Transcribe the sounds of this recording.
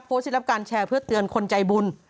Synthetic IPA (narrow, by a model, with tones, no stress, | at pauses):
p̚foː˧˦˥si˦˥ɾa˦˥p̚kaː˧nt͡ɕʰɛː˧pʰɯ˥˩ɐt̪ɯ˧ənkʰo˧nt͡ɕa˧jbu˧n